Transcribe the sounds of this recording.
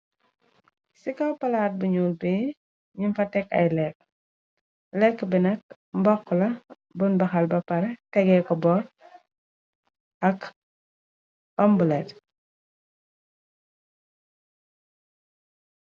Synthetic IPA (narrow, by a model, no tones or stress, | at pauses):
sikawpɐlaːt̚buɲuːlbi | ɲimfɐtɛkɐ̰jlɛk̚ | lɛkːbɛnɐk̚ | mbɔkːlɐ | bunbɐxɐlbɐpɐɾɛtɛɡɛkɔbɔːɾ | ɐk | ɔmbulɛt